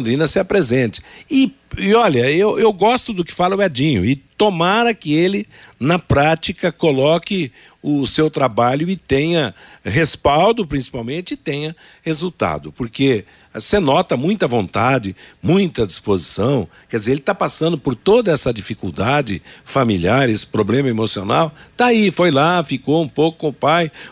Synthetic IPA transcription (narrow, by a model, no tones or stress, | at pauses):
d̪ɾĩnɐsɪɐpɾezẽnt͡ʃɪ̥ɪɪɔʎɐewʔewɡɔst̪ʊd̪ʊkɪ̥falɐʊɛd͡ʒĩɲʊ̰ɪt̪omaɾɐkɪelɪnɐpɾat͡ʃikɐkolɔkɪ | ʊsewt̪ɾabaʎʊɪt̪ẽɲɐɦespawd̪ʊpɾĩsi̥pawmẽnt͡ʃɪɪt̪ẽɲɐ | hezuwt̪a̰d̪ʊpoɾke | senɔt̪ɐmũj̃t̪ɐvõnt̪ad͡ʒɪmũj̃t̪ɐd͡ʒispozisɐ̃w̃kɛdd͡ʒɪzeɾelɪt̪apasɐ̃nd̪ʊpoɾt̪od̪ɐɛsɐd͡ʒifikuwd̪ad͡ʒɪ̰familiaɾesɪ̥pɾoblẽmɐemosionawt̪aifojlafikoũpowkʊkõʊpaj